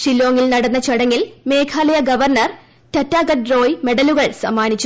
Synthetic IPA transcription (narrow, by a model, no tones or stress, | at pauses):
ʂilːo̞ːŋilnɐɽɐnːɐt͡ɕɐɽɐŋːilme̞ːkʰaːlɐjɐɡɐʋɐrnɐr | tɐtːaːɡɐʈro̞ːjme̞ɽɐluɣɐɭsɐ̰mːaːnit͡ɕːu